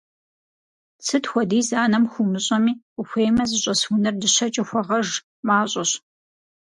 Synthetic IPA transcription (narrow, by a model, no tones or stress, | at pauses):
t͡sʰɨtxʷɔdiːzaːnɐmxʷumɨɕʼɐmiː | ʊxʷeːjmɐzɨɕʼɐswunɨrdɨɕɐt͡ʃʼɪxʷɔʁɐʒ | maːɕʼɐɕ